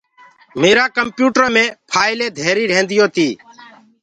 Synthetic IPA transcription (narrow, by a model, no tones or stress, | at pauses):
meːɾaːkəmpjuːʈəɾmẽːpʰaːɪleːd̪ʱeːɾiːɾẽːnd̪ɪjõːt̪ʰiː